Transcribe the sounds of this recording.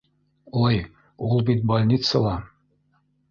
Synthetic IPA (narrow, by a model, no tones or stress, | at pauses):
oj | ulˠbit̪̚bolʲnʲit̪səlˠɑ